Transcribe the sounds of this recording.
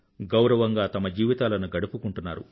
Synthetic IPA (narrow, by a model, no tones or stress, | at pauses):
ɡɐwɾɐʋɐŋɡaːt̪ɐmɐd͡ʒiːʋit̪aːlɐnuɡɐɽupukuɳʈunːaːɾṵ